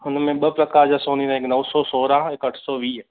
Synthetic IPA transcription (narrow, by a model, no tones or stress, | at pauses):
ʊnmẽɓəpɾəkaːɾd͡ʒasoːninãeknəʋsɔːsoːɾãːɪkəʈʰsɔːʋiːɦ